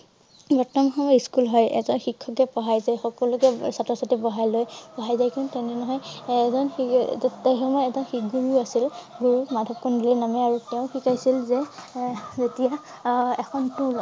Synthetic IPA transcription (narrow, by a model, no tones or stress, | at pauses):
bɔɹtɔmxɔmɔjiskulɦɔjɛ̰zɔnxikʰːɔkɛpɔɦajzajxɔkɔlʊkɛsatɹɔsatibɔɦajlojpɔɦajzajkintɛninɔɦɔjɛzɔnitaxɔmɔjɛzɔnxikɡuɹiasilɡuɹumadʱɔpb̚kundilinamɛaɹutɛʊ̃xikajsilzɛ | zetija | ɛkʰɔntul